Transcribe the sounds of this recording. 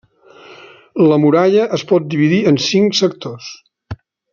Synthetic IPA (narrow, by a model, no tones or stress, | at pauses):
ləmuɾaʎəʔəspɔt̪̚d̪iβ̞iðiənsiŋksək̚t̪os